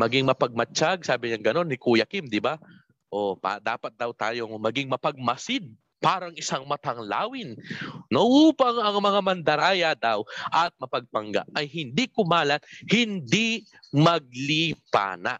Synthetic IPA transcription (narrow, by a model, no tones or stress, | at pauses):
mɐɡiŋmɐpɐɡ̚mɐt͡ʃaɡ̚saːbɪɲaŋɡɐno̞nːɪkuːjɐkɪmd̪ɪba | ʔo̞pa̰d̪a̰ːpɐt̪̚d̪ɐwt̪a̰ːjo̞ŋmɐɡɪŋmɐpɐɡ̚mɐsɪd̪̚ | paːɾɐŋʔɪsaŋmɐt̪ɐŋla̰ːwɪnnoʔuːpɐŋɐŋmɐŋamɐnd̪ɐɾaːjɐd̪awʔɐt̪̚mɐpɐɡ̚pɐŋɡa̰ʔʔɐjhɪnd̪ikʊmaːlɐt̪̚hɪnd̪i | mɐɡ̚lipa̰ːna̰ʔ